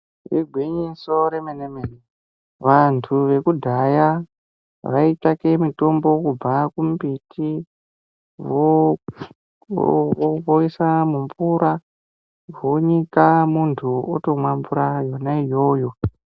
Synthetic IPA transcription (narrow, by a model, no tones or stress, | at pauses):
riɡʱwiɲiso̞ɾemenemene | ʋantʰuʋe̞kudʱaja | ʋaitakemito̞mbo̞kuakumpitʰi | ʋo | βoisamuɱvuɾa | ʋoɲikamuntʰuo̰to̞mwamvuɾajo̞naijo̞ːjo̞